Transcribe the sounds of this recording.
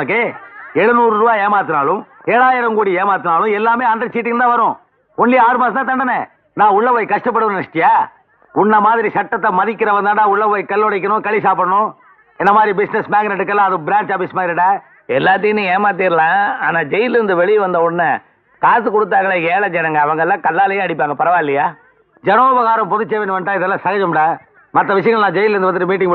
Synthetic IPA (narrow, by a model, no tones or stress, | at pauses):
ɐkːeɛɽɯnuːɾɯɾɯbaːeːmaːt̪̬ːɯnaːɭʊ̃m | ɛːɭaːjɪɾɐmkuːɽieːmaːɾt̪ːɯnaːlʊ̃ɛlːaːmeːɐnɾɐsiːʈːɪŋt̪ãːʋɐɾʊ̃ | ʊɳːiaːɾɯmaːsɐt̪ãːt̪ɐɳɖɐnɛ | nãːʊɭːɐʋɐjkɐʂʈɐp̬ːɐɽɯʋɐnnɐʂʈːɪjaː | ʊɳːɐmaːðɪɾisɐʈːɐt̪ːɐmɐðɪkʲːɪɾɐʋɐnd̪aːʈːaːʊɭːɐʋɐjkɐlːɔɽɐɪk̬ːɐɳʊ̃kɐɭis̬aːpɯɽɐɳʊ̃ | ɛnːɐmaːðɪɾibɪsnɛsmaːɡɐnɐʈːɯkːɐlːaɐðɯbɪɾaːɲt͡ʃaːfiːsmaːðɪɾiɽaː | ɛlːaːt̪̬ːɐjɯnːɯ̃eːmaːt̪̬iɾlãːaːnaːd͡ʒɛjɪnɪɾɯnd̪ɯʋɛɭɪjʋɐnd̪ɐʊɳːɐ | kaːs̬ɯkɔɽɯt̪̬ːaːŋɡɐɭɐɡeːɭɐd͡ʒɛnɐŋɡɐːʋɐŋɡɐɭlːãːkɐlːaːlɐjeːɐɽɪp̬ːaːŋɡɐpɐɾɐʋaːɪlːɐjaː | d͡ʒɛnoːbɐɣaːɾɐmpɔðɯt͡ʃːeːʋenːɯʋɐnʈːaːɪðɛlːaːsɐɣɐd͡ʒɐmɐɽãː | mɐt̪ːɐʋɪʂ̬ɐjɐŋɡɐɭnãːd͡ʒɛjlɾnd̪ɯɐnd̪ɯʈːɯmiːʈ̬ːɪŋɡ